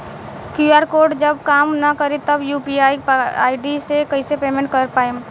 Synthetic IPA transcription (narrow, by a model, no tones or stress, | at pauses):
kjuaːɾkoːɾɖd͡ʒəbkaːmnɐkəɾet̪ɐbjuːpiaːja̰ːɪɖisekəɪsepeːmẽɳʈ̚kɐɾpaːe